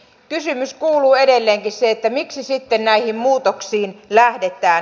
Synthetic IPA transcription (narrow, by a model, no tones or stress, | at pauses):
kysymyskuːluːedelːeːŋkisseet̪ːæmiksisit̪ːennæihimmuːt̪oksiːnlæhdet̪ˑæː